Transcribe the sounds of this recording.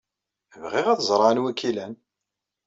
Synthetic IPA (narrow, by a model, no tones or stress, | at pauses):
əvʁiʁæθzˤɾˤɑnwækːilæn